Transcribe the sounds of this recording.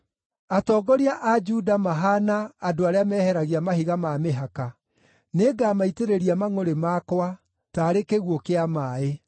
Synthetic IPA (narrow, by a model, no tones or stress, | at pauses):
atɔːɡɔɾiaʔad͡ʒudamaɦanaːdoaɾeamɛːhɛɾaɣiamaɦiɣamameɦaka | neɡaːmaiteɾeɾiamaŋoɾemakwa | taːɾekeɣwokeamaːe